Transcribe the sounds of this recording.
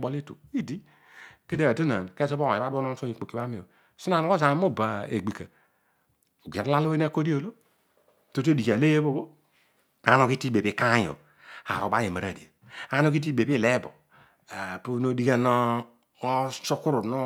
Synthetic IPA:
bo˨li˦to̰˨i˦di˦ | ke˦de˦a˨tu˦na̰˨n˨ke˦so˦bo˦˨e˨a˦bo˦no˦so˦ɲi˨k͡po˨ki˨ba˦mi˨o˨ | su˦na˨no˦o˦za˨˦mo˦˨ba˨ḛ˨ɡ͡bi˨ka˨ | ɡe˨ɾla˦lo˦e˦n˦a˦ko˦di˦o˨lo˦ | to˦to˦di˨ka˨le˦je˦bo˦bo˦ | a˨˦no˦ki˦ti˦be˨bi˨ka˦jo̰˨ | a̰˨ɾo˨ba˦je˨ma˨ɾa̰˨di˨o˨a˦no˦ki˦t̬i˦be˨bi˦˨le˦bo̰˨ | pu˦no˦di˦ɡa˦no˦ | so˦ku˦ɾu˨no˦

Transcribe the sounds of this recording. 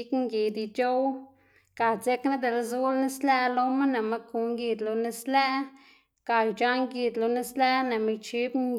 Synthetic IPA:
kŋɡi˨d̪i˧t͡ʃo˦w | ka˨t͡se˦kna˦d̪e˨lzu˦lni˦slɛ˦lo˧ma˦ne˨ma˧ku˨ŋɡi˧d̪lo˨ni˧slɛ˦ | ka˨jd͡ʒa˦ŋɡi˨d̪lo˧ni˦sle˦ne˨mi˧t͡ʃi˦bŋ

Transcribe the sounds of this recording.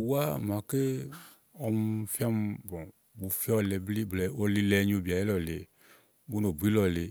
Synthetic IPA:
wu˦a˦˨mã˨ke˦ | ɔ˧m˦fi˦a˦m˧bɔ˨ | bu˨fi˦ɔ˦le˧bli˦bɛ˨o˦li˧lɛ˧˦ɲ˦o˧˨bi˨a˨je˦lɔ˨le˨ | bu˦no˨bi˦lɔ˨le˨

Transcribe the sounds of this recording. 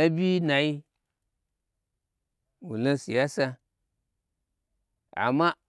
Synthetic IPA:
e˦bʲi˦na˨ji˦ | wu˨lo˦si˨ja˦sa˧ | a̰˨ma˦

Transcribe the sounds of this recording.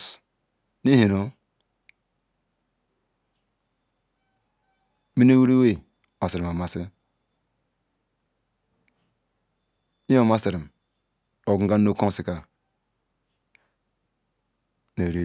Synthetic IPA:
ni˦hi˨no˦ | mi˦n˦e˦wi˦ɾe˦we˦˨ | ma˨se˨ɾi˨ma˨ma˨se˦ | i˦o˦ma˦se˨ɾi˨m | o˨ɡŋ˦ɡa˦nː˦o˦kõ˦si˨ka˨ | ne˨ɾe˦

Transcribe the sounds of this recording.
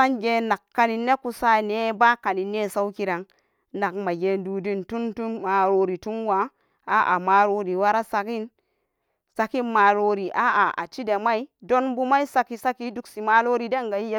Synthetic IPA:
sa˦nɡe˨na˨kːa˨ni˨nːe˦ku˨sa˦ne˦ba˦ka˨ni˨ne˦˨sa˦wki˦ɾa˨ŋ | na˨kma˨ɡe˨ndu˨di˦ntu˦ntu˦nma˨ɾo˨ɾi˨tu˦nwa˨˦ | a˨˦ʔa̰˨ma˨ɾo˦ɾi˨wa˦ɾa˦sa˨ki˦n | sa˨ki˦ma˨ɾo˨ɾi˨ʔa˦a˨a̰˨t͡ʃi˦de˨ma˦i˦do˦nbu˦ma˦i˦sa˦ki˨sa˦ki˦du˦ksi˨ma˨lo˦ɾi˨de˦ŋɡa˨ji˦je˦

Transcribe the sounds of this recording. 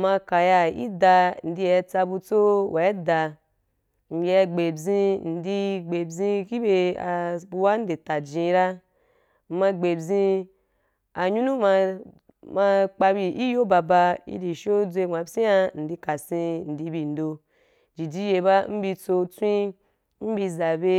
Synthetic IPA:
ma˧ka˨ja˧ḭ˦da˧n̩˨di˧ja˧t͡sa˧bu˧t͡so˦wa˨e˦da˧ | m̩˨ja˧ɡ͡be˨bzĩ˧n̩˨di˧ɡ͡be˨bzĩ˧ki˦be˧a˧bu˧wa˦n̩˦de˨ta˨d͡ʒĩ˧ɾa˦ | m̩˧ma˧ɡ͡be˨bzĩ˧ | a˨ɲu˦nũ˦ma˧ | ma˧k͡pa˧bi˧ʔi˦jo˦ba˧ba˧ḭ˦di˨ʃo˦d͡zʷe˧˨ŋ͡ma˨bsi˦a˧n̩˨di˧ka˨sĩ˧n̩˨di˧bi˧˨n̩˨do˧ | d͡ʒi˨d͡ʒi˧je˧ba˦m̩˦bi˧t͡so˧t͡sʷĩ˦ | m̩˦bi˧za˨be˧

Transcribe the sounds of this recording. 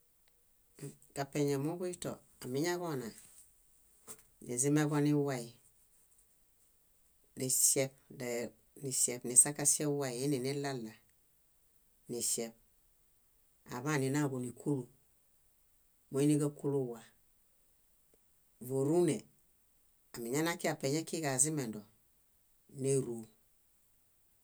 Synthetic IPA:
ɡa˨pe˨ɲa˨mu˦ɡu˦i˦to̰˨ | a˨mi˦ɲa˦ɡo˦na˨ | nḭ˨zi˦me˦ɡo˦ni˦wa˦i˨ | ni˨se˦p̚de˨ | ni˨se˨bni˨sa˦kːa˦se˦wa˦i˨i˦ni˨ni˦la˦lːa˨ | ni˨ʃe˨p̚ | a̰˨βa˦˨ni˨na˦ɡo˨ni˨kʰu˦lu˨ | mo˨˦i˦ni˦ɡa˦ku˦lu˦wa˨ | vo˨ɾu˦ne˨ | a˨mi˨ɲa˦na˦ki˦a˨pe˨ɲe˦ki˦ɡa˨zi˦me˨do˨ | ne˦ɾu˨

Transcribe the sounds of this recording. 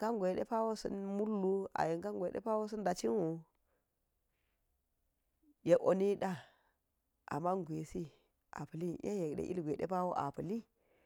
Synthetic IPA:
ka˦ŋɡʷɗḛ˦pa˦wo˦sə̰˦nmu˦lːu˦a̰˨ji˨ŋka˦ŋɡʷḛ˦pa˦wo˦s̬ə˦nda˨t͡ʃi˦nwu˨ | je˦ʔo̰˨ni˦ɗa˦ | ʔa̰˨ma˦ŋɡʷe˨si˦ | a̰˨pə˨li˦jḛ˦je˨kɗḛ˦ʔi˦˨ɡʷe˨ɗḛ˦pa˦wo˦ʔa̰˨pə˨li˦

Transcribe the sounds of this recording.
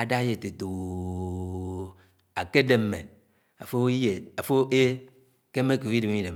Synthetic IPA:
a˨da˦je˨te˨to˨ | a˨ke˦de˦mːe˨ | a̰˨fo˦i˦je˨a˨fo˦e˦ | ke˦me˦ku˨˦i˦de˨m˦i˦de˨

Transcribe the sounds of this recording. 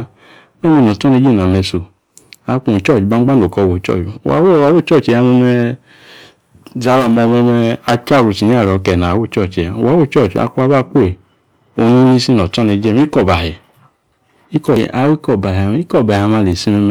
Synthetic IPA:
m˦ɛ˦mi˧˨nɔ˨tɔ˦ne˧d͡ʒe˦˨na˨me˧so˨ | a˧ku˨t͡ʃɔ˦˨t͡ʃba˧˦ɡ͡ba˦no˨kɔ˧˨wo˨t͡ʃɔ̰˦˨t͡ʃa̰˨˦wo˦˨a˨˦wo˦˨t͡ʃɔ˦˨t͡ʃi˨ja˧mɛ˧mɛ˧ | za˨˦la˨mɔ˧mɛ˧mɛ˧a˧t͡ʃa˦˨wu˨t͡ʃi˨ɲ˦a˦˨ɾɔ˨˧kɛ˨na˨wo˦˨t͡ʃɔ˦˨t͡ʃi˨a˨a˨˦wo˦˨t͡ʃɔ˦˨t͡ʃa̰˧˦ku˦a˧˦ba˦k͡pe˨ | o˧˨nu˦ni˦si˦nɔ˨tɔ˦ne˧˦d͡ʒe˦m˦i˦kɔ˦˨ba˨ɛ˨ | i˦kɔ˨a˧˦wi˦kɔ˨ba˨ɦa˨m˦i˦kɔ˦˨ba˨a˧ma˧˨le˨si˦mɛ˧m˧

